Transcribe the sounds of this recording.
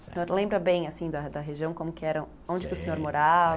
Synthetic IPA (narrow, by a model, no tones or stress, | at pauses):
sẽɲoɾlẽmbɾɐbẽj̃asĩd̪ɐd̪ɐɦeʒiɐ̃w̃kõmʊkɪɛɾɐ | õd͡ʒɪkɪʊsẽɲoɾmoɾav